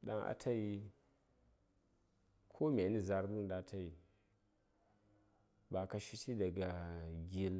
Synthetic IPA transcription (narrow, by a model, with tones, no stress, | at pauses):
ɗa̰˦ŋʔa̰˨tʰa˦ji˦ | kʰo˦me˨˦ni˦za˦ɾbu˦nda˦tʰa˦ji˨ | ba˨ka˨ʃi˦tʰi˦da˨ɡa˨ɡi˦l